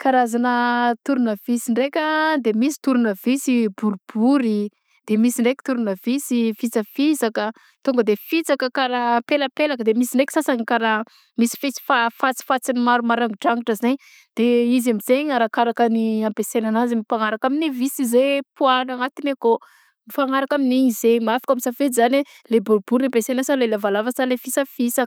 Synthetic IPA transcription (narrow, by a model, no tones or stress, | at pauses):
kaɾazanət̪uɾunəv̥isiɳɖ͡ʐekʲəd̪emisi̥t̪uɾunəvisibuɾubuɾi | d̪̥emisiɳɖ͡ʐekʲi̥t̪uɾunəvisifit͡səfisakə | t̪uŋɡəd̪efit͡sakəkaɾapeləpelakəd̪emisiɳɖ͡ʐekʲi̥sasaɲkaɾa | misi̥fet͡si̥fafat͡si̥fat͡sinimaɾumaɾaŋɡiʈ͡ʂaŋiʈ͡ʂəzeɲ | d̪̥eizamizeɲaɾakaɾakəniampesenanazimipaŋaɾakaminivisizepuanaŋat̪ineko | mifaŋaɾakaminiizemiafḁkamisafet͡sizane | lebuɾbuɾampesenasalelavalavəsalefit͡səfisak